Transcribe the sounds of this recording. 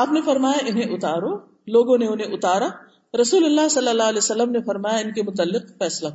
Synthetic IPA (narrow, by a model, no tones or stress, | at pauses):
aːpnefɐɾmaːjaʔɪnɦẽʔʊt̪aːɾo | loːɡõneʊnɦẽʔʊt̪aːɾa | ɾɐsuːlɐlːaɦsɐlːɐlːaːlɛsɐlːəmnefɐɾmaːjaɪnkemʊt̪əlːɪqfɛːsla